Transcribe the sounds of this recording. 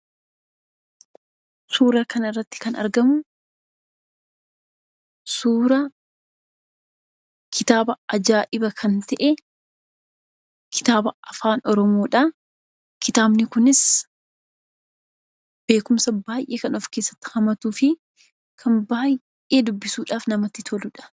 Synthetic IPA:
suːɾɐkɐnɐɪrːɐt̪ːɪ̥kɐnɐ̰ɾɡɐmʊ | suːɾɐ | kʰɪt̪aːbɐɐd͡ʒaːʔɪbɐkʰɐnt̪ɐʔɛ | kʰɪ̥t̪aːbɐɐfaːnɔɾɔmo̞ːᶑaː | kɪt̪aːbnɪkʊnɪs | b̥e̞ːkʊmsɐbaːjʔe̞ːkɐnɔfke̞ːsːɐ̥t̪ːɪ̥hɐmɐt̪uːfɪ | kʰɐnbaːj | ʔe̞ːd̪ʊbːɪsuːᶑaːfnɐmɐt̪ːɪt̪ʰɔlʊᶑɐ̥

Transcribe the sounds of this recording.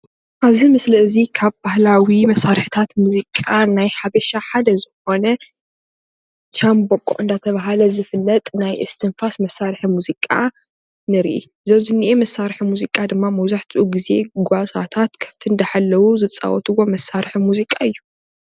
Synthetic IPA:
ʔaβzimɨslɐɨzikʰaβbahlawimɐsːaɾħit̪ʰat̪muzikʼanajħaβɐʃaħad̪ɐzɨxo̞nɐ | t͡ʃambokʼːo̰ʔɨnd̪at̪ʰɐβaɦalɐzɨfɨlːɐt̪ʼnajʔɨst̪ʰɨnfasmɐsːaɾħimuzikʼa | nɨɾʔḭ | zɐwzɨnːiʔemɐsːaɾħimuzikʼad̪ɨmːamɐwzaħt̪ʰɨʔuɡize̞ɡʷasa̰t̪ʰat̪kʰɐ̥ft̪ʰind̪ɐħalːɐwuzɨt͡sʼa̰wɔ̰t̪ʰɨwo̞mɐsːaɾħimuzikʼaɨjːu

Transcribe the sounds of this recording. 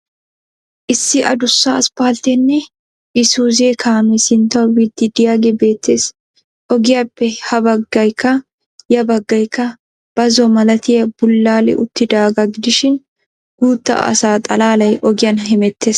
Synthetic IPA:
ʔɪsːɪʔɐ̰d̪ʊsːaɐspaːlt̪ɛnːɛ | ʔɪsuːzeːkʰaːmɛsɪnt̪ɐwid̪ːɪd̪ɪjaːɡɛbe̞ːt̪ːeːs | ʔɔɡɪjɐpːɛhɐbɐɡːɐjkːɐ | jɐbɐɡːɐjkːɐ | b̥ɐzɔmɐlɐt̪ɪjɐb̥ʊlːaːlɛ̰ʔʊt̪ːɪd̪aːɡɐɡɪd̪ɪʃɪn | ɡ̥uːt̪ːɐ̰ʔɐ̰saːt̪ʼɐlaːlɐjʔɔɡɪjɐnɦɛmɛt̪ʰːeːs

